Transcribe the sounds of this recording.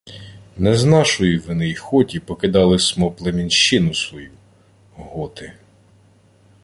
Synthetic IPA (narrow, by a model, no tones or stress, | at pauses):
nɛznɑʃɔjiʋɪnɪjxɔtʲipɔkɪd̪ɑlˠɪsʲmɔplˠemʲinʃt͡ʃɪnʊsʋɔju | ɦɔt̪ɪ